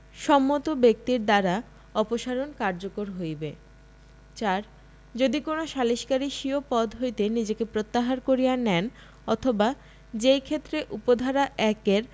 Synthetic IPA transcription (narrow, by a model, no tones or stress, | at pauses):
ʃɔmːot̪obek̚t̪iɾd̪aɾa | ɔpoʃaɾonkaɾd͡ʑokoɾɦojbe | t͡ɕaɾ | d͡ʑod̪ikonoʃaliʃkaɾiʃiopɔd̪ɦojt̪enid͡ʑekepɾot̪ːaɦaɾkoɾijanɛn | ɔt̪ʰoba | d͡ʑejkʰet̪ːɾeʔupod̪ʱaɾaʔɛkeɾ